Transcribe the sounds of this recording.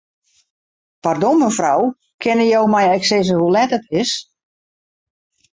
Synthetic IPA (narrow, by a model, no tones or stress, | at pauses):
pardoməfraw | kʰɪnəjowmɛjɛksɪzəɦulɛtətɪs